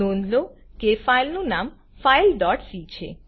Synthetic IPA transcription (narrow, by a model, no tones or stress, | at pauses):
onlokefajlnunam | fajlɖɔʈsit͡ɕʰḛ